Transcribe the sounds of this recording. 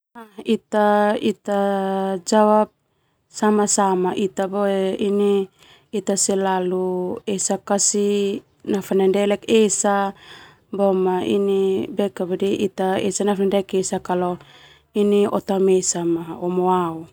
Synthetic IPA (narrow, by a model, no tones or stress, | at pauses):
ahit̪ait̪ad͡ʒawap̚ | samasamaʔit̪aboɛiniː | t̪asɛlaluesakasi | nafanandɛlɛkesa | bomaḭnibekabadiʔit̪aḛsanafnndɛkesakalo | iniʔɔ̰t̪amesamaomoau